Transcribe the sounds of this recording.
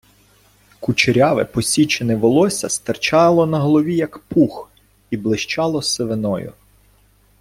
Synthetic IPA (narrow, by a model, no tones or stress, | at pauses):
kut͡ʃeɾʲɑʋɪ̰pɔsʲit͡ʃenɛʋɔlˠɔsʲɐst̪ɐrt͡ʃɑlˠɔnɐɦɔlˠɔʋʲijɐkpux | iblˠɪʃt͡ʃɑlˠɔseʋenɔjʊ̰